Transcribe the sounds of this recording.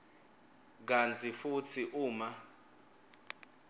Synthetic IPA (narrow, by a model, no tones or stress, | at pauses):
k̬ant͡sʰifut͡sʰiʔuːma